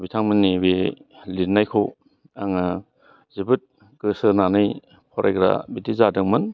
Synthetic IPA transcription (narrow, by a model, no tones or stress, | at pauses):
bitʰaŋmɯnːiwelitnajkʰow | aŋa | zibɯt̚ | ɡ̥ɯsɯnanɯj | pʰɔɾʔa̰jɡɾa̰bitizadɯŋmɯn